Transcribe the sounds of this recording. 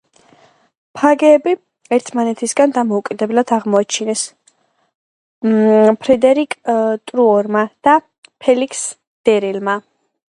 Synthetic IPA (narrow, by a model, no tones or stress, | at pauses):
pʰaɡɛːbi | ɛɾt̪ʰmanɛt̪ʰisɡand̪amɔukʼid̪ɛblad̪aʁmɔat͡ʃʰinɛs | pʰɾɛd̪ɛɾikʼt̪ʼɾuɔɾmad̪̥a | pʰɛlikʰs | d̪̥ɛɾilma